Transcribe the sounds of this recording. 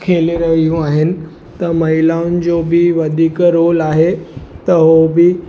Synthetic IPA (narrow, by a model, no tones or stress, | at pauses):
kʰeːliɾɐɦijũaːɦɪnɪ̆ | t̪ɐmɐɦɪlaːʊnɪ̆d͡ʑoːbɪʋɐd̪ʱiːkɾoːlaːɦet̪ɐɦobɪ